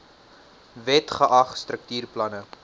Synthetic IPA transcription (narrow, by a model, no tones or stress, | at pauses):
vɛtχəʔɐχstrək̚tyːrplɐnə